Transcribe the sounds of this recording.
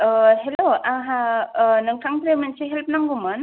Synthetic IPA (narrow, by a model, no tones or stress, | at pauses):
ɦeloaɦanɯŋtʰaŋpɾemansiɦelp̚naŋɡumɯn